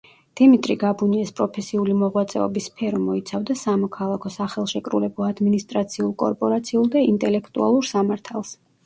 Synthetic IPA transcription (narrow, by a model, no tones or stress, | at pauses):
d̪̥imit̪ʼɾiɡabuniɛspʼɾɔpʰɛsiulimɔʁwat̪sʼɛ̰ɔbispʰɛɾɔmɔit̪sʰavd̪asamɔkʰalˠakʰɔsaχɛlˠʃɛkʼɾṵlɛbɔad̪minist̪ʼɾat̪sʰiulˠkʼɔ̰ɾpʼɔɾat̪sʰiulˠd̪aint̪ʼɛlɛkʰt̪ʼua̰lˠuɾsamaɾt̪ʰalˠs